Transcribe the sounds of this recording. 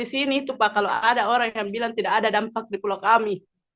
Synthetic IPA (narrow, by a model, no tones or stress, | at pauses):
isinit̪upakaloadaɔɾaŋjaŋbilant̪idakːdadampak̚dipulakami